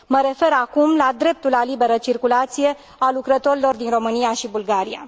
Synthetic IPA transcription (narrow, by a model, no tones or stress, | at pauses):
məɾe̞fe̞ɾakumlad̪ɾe̞p̚t̪ulalibe̞ɾət͡ʃirkulat̪sije̞ | alukɾət̪o̞ɾilo̞rd̪inro̞mɨnijaʃibulɡaɾia̰